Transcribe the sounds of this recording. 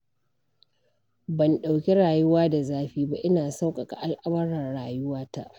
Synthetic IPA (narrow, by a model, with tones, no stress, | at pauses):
bɐ˨nɗa˨wkʲe˦ɽaː˨jʊ˦waː˦da˨zaː˦ɸiː˦ba˦ʔɪ˦naː˨sa˦wkʼa˨ka˨ʔa˦lʔa˦mɐ˦ɽɐ˨rɽaː˨jʊ˦waː˦ta˦ʔ